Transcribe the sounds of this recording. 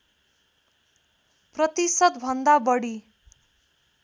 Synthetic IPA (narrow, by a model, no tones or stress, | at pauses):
prʌt̪isʌd̪bʱʌnd̪abʌɽi